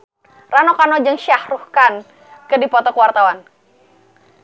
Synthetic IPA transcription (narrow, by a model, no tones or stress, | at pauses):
ranɔkanɔd͡ʒɨŋʃahruhkan | kədipɔt̪ɔkəwart̪awan